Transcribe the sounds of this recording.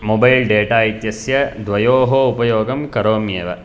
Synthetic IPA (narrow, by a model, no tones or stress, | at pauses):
mobɐjlɖeːʈaːit̪jɐsjɐd̪ʋɐjoːɦoupɐjoːɡɐmkɐɾoːmjeːʋɐ